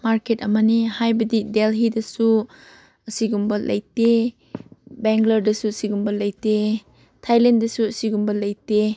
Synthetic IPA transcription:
maɾketɐmɐnihajbɐdidelɦidɐsu | ɐsiɡumbɐlɐ̰jte | beŋɡlɐɾdɐsuɐsiɡumbɐlɐjte | tʰajlendɐsuɐsiɡumbɐlɐjte

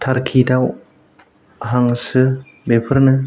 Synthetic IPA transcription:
tʰaɾkʰidaw | ɦaŋsɯ | bepʰɯɾnɯ

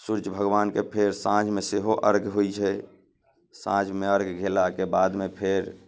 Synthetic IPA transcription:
suɾd͡ʒbʱəɡʋaːnkepʰeɾsãd͡ʒmeseɦoʔəɾɡɦoit͡ʃʰɛ | sã̰d͡ʒmeəɾɡɡʱelakebad̪mepʰeɾ

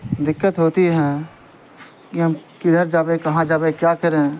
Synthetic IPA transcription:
d̪ɪkːət̪ɦoːt̪iɦɛ̃ː | kiɦɐmkɪd̪əɾd͡ʒaːbekɐɦãd͡ʒaːbekjaːkəɾẽ

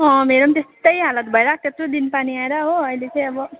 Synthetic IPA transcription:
ʌ̃meɾʌmt̪est̪ʌjɦalʌt̪̚bʱʌeɾʌk̚t̪et̪rod̪inpaniaeɾʌɦoʌjlet͡sʌ̃j̃ʌbʌ

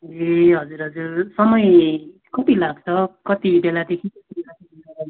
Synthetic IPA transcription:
eɦʌd͡zuɾɦʌd͡zursʌmʌj | kʌt̪ilaɡ̚t͡sʰʌkʌt̪ibelad̪ekʰikʌtinati | ʌan

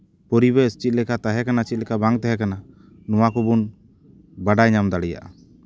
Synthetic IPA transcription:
pɔɾibɛəst͡ʃit̪̚lɛkat̪aɦɛkanast͡ʃit̪̚lɛkabaŋt̪aɦɛkana | nɔwakubun | baɖajɲamd̪aɽɛja̰ʔa̰

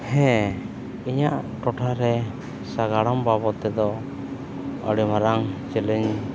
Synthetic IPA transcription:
hɛ̃ | iɲaʔʈɔʈʰaɾɛ | saɡaɽɔmbabɔt̪ɛd̪ɔ | ə̰ɽimaɾaŋt͡ʃɛlɛɲ

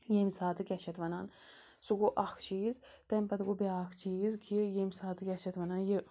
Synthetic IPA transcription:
jemʲsaːt̪ɨkʲaʃɐt̪ʋɐnaːn | suɡoʔɐkʰt͡ʃiːz | t̪ɐmʲpɐt̪ɡobeaːkʰt͡ʃiːzkʰijemʲsaːt̪ʰɨkʲaʃɐt̪ʋɐnaːnji

